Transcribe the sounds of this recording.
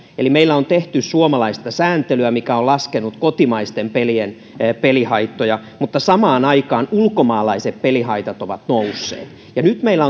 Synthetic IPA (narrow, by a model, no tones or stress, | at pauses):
elimeilːæont̪eht̪yssuomɑlɑist̪ɑsæːnt̪elyæmikæolɑskenut̪kot̪imɑist̪empelien | pelihɑit̪ːojɑmut̪ːɑsɑmɑːnɑikɑːnulkomɑːlɑiseppelihɑit̪ɑt̪oʋɑt̪nousːḛːt̪ | jɑnyt̪meilːˑæo